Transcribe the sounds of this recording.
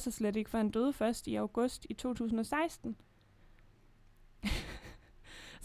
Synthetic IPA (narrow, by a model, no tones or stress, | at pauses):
sɑsleɾe̝ɡ̥əfɑ̈e̝nd̥øːð̞ˠfɶɐsd̥iɑʊɡ̥ɔ̽sd̥it͡sʰo̝̰ːt͡sʰṵːsn̩ɒ̽sɑ̈ɪsd̥n̩